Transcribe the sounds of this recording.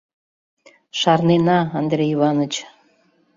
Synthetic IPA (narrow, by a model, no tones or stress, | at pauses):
ʃɑrnenɑːnd̪rʲeiβɑnə̆t͡ɕ